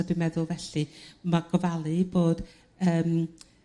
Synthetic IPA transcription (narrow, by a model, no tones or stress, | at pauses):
ɔdɪmɛðʊlˠvɛɬɨmaɡ̥ɔvalˠɨboːd̥ | əːm